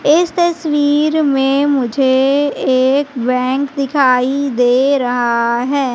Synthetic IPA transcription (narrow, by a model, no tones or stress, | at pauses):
ɪst̪ɐswiːɾmẽmʊd͡ʒʱeeːkbɛ̃ːŋkd̪ɪkʰaːid̪eːɾɐɦaɦɛː